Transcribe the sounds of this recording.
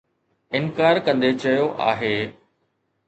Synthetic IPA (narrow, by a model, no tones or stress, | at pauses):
ɪnkaːɾkɐ̃nd̪et͡ɕɐjoʔa̰ːɦeː